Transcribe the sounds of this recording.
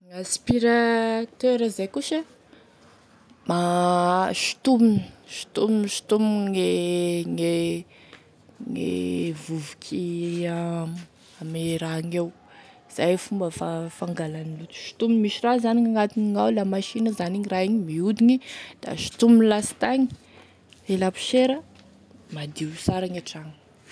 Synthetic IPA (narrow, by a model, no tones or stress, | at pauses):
ŋaspiɾat̪øɾazajkuʃə | ma | ʃi̥t̪umini̥ʃi̥t̪uminiʃi̥t̪umiŋeŋe | ŋḛvuvukʲʰia | ameɾaŋew | z̥ajfumbəfafaŋɡalanilut̪u̥ʃi̥t̪uminmiʃirazaniŋaŋat̪iniŋawlamaʃinəzaniɲiraiɲimiud̪inid̪̥a̰ʃi̥t̪uminlasi̥t̪aŋi̥ | elapi̥ʃeɾə | mad̪iusaɾaŋaʈ͡ʂaŋə